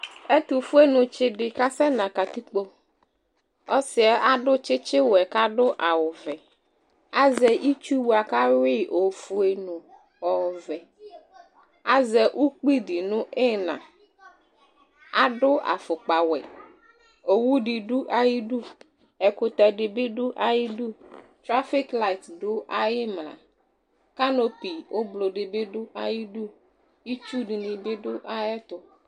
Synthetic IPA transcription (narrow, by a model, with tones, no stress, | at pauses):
ɛ˦t̪u˨fu˦e˦nʊ̃˨t͡ʃɪ˨dɪ˨ka˦sɛ˦nã˨ka˨t̪u˦k͡po˦ | ɔ˦sɪ˨ɛ˦ʔa˦dʊ˦t͡ʃɪ˦t͡ʃɪ˦wɛ˨ka˦ɖʊ˦ʔa˨wʊ˨vɛ˨ | a˦zɛ˨ʔi˦t͡ʃu˦wu˨a˨ka˦wɪ˦ʔo˨fu˦e˨nʊ̃˨ | ɔ˨vɛ˨ | a˦zɛ˨ʔu˦k͡pi˦dɪ˨nʊ̃˦ɪ˦nã̰˨ | a˦ɖʊ˦ʔa̰˨fʊ˨k͡pa˨wɛ̰˨ | o˨wu˦ɖi˨ɖu˦ʔa˦ji˦ɖu˦ | ɛ˨ko˨t̪a˨ɖe˨be˦ɖu˦ʔa˦ji˦du˦ | t̪ɾa˦fi˦kla˦i˨t̪do˦ʔa˦je˦mlã̰˨ | ka˦no˦pi˨wʔo˦blo˨ɖe˨be˦ɖʊ˦a˨ji˦ɖu˦ | ji˦t͡ʃu˦ɖi˨nĩ˨be˦ɖʊ˦ʔa˦jɛ˦t̪o˦